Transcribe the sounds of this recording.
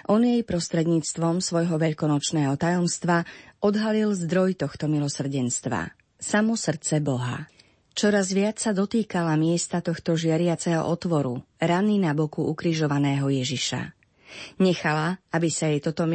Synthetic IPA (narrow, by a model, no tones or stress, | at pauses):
ʔɔnjɛjpɾɔst̪ɾɛd̪ɲiːt͡st̪ʋɔmsʋɔjɦɔʋɛʎkɔnɔt͡ʃnɛːɦɔt̪ajɔmst̪ʋaʔɔd̪ɦalilzd̪ɾɔjt̪ɔxt̪ɔmilɔsr̩ɟɛnst̪ʋa̰ | samɔsr̩tt͡sɛbɔɦa̰ | t͡ʃɔɾazʋɪat͡ssad̪ɔt̪iːkalamɪɛst̪at̪ɔxt̪ɔʒɪaɾɪat͡sɛɦɔ̰ʔɔt̪ʋɔɾuɾaninabɔkuukɾiʒɔʋanɛːɦɔjɛʒiʃa̰ | ɲɛxalaabisajɛjt̪ɔt̪ɔm